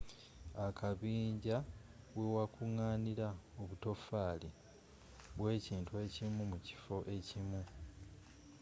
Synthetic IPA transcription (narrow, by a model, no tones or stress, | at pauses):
akʰaβiːɲɟa | wewakuŋaːniɾaoβuto̞faːli | βwe̞ːciːntue̞cimumuci̥fo̞ʔe̞cimu